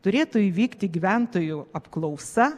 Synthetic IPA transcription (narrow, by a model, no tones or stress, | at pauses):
t̪ʊɾʲeːt̪ʊiʋʲiːkt̪ʲɪɡʲɪʋʲænt̪oːjʊɐpklˠɐʊsɐ